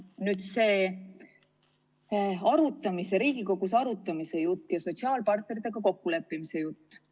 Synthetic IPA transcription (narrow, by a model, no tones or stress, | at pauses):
nyːd̪̥se̞ː | ɑɾut̪ːˑɑmise̞ɾiːɡ̥iko̞ɡ̥usɑɾut̪ːˑɑmise̞jut̪ːjɑso̞t̪ʲsiɑːlpɑrt̪̚ne̞ɾit̪ːeɡ̥ɑko̞kːule̞pːˑimise̞jut̪ː